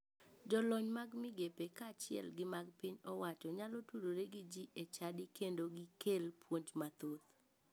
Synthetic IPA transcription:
d͡ʒɔlɔɲmaɡmɪɡepekat͡ʃɪɛ̰lɡɪmaɡpiɲɔwat͡ʃɔɲalɔtuɾoɾeɡid͡ʒiʔet͡ʃadɪkendoɡɪkelpwoɲd͡ʒmat̪ot̪

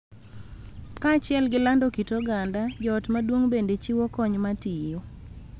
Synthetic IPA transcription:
kat͡ʃɪɛlɡɪlandokitoɡandajɔtmadwoŋbendet͡ʃiwokɔɲmatijo

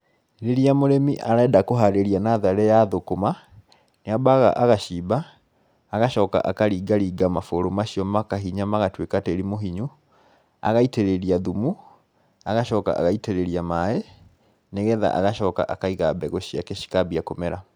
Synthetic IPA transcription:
ɾeɾiamoɾemiʔaɾaɛdakoɦaɾeɾianaðaɾɛjaðokoma | neabaɣa̰ʔaɣaɕiːbaː | ɣaʃɔːka̰ʔakaɾiːɡaɾiːɡamafoɾomaɕiɔmakaɦiɲamaɣatwekateɾimoɦiɲu | a̰ɣaiteɾeɾiaðumu | aɣaʃɔːka̰ʔa̰ɣaiteɾeɾiamae | neɣɛða̰ʔa̰ɣaʃɔːka̰ʔakaiɣabɛɣoɕiakeɕi̥kabiakomɛɾa

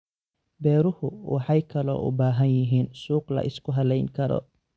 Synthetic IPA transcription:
bɛːɾʊhʊwɑħɑjkʰɐlɔ̰ːʔʊ̰baːɦɐnjɪɦiːnsuːqlɐ̰ʔɪskʰʊɦɐlɛjŋkʰɐɾɔ̰

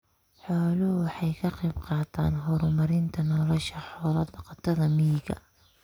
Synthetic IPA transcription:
ħɔːlʊhʊwɑħɑjkʰɐqɑjbqɑːt̪ʰa̰ːnɦɔɾmɐɾɪnt̪ʰɐnɔlɔʃɐħɔːlɐd̪ɐqɑt̪ʰɐðɐmijɪɡɐ̰

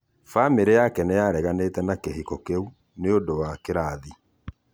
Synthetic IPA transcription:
fameɾejakɛnɛjaɾɛɣanetɛnakeɦikɔkeu | neodowakeɾaði

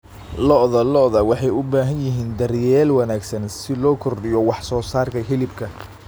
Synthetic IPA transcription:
lɔʔðɐlɔʔðɐwɑħɑjʊbaːɦɐnjɪɦiːnd̪ɐrjɛːlwɑnaːɡsɐnsɪlɔːkʰɔrɖɪjɔwɑħsɔːsaːrkʰɐɦɪlɪbkʰɐ

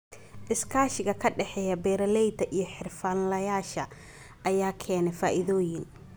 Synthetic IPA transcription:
ʔɪskʰaːʃɪɣɐkʰɐɖɛħɛːjɐbɛːɾɐlɛjd̪ɐʔijɞħɪrfaːnlɐjaːʃɐ | ʔɐjaːkʰɛːnɛfaːʔɪðɔːjɪn

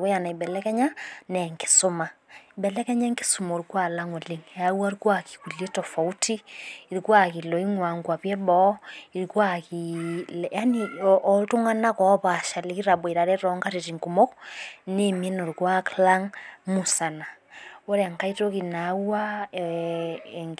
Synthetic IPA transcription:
wɔjanaibɛlɛkɛɲanɛŋki̥somaibɛlɛkɛɲaŋki̥sumoɾikwalaŋoliŋjauaɾikwaki̥kuletɔfautiiɾikwakilɔiŋwaŋɡwaβjɛbɔiɾikwakiljaniʔɔtuŋanakɔβaʃalikiɾaβwiɾaɾɛɾɔŋɡaɾiɾiŋkumɔknemjɛnoɾikwaklaŋmusanaoɾɛŋkaitokinaua | ŋ

